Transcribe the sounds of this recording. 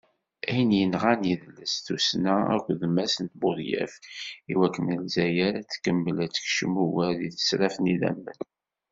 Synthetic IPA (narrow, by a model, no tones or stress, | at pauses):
æjənjənʁaniðəlːəsθusnææ̰kʷːðmæsənt̪̚bʊðjæ̰fiwækːənəlzæjæɾæt͡sːkːəmːəlæt͡sːə̥kʃəmuwæɾiθə̥sɾæfniðæ̰mːə̰n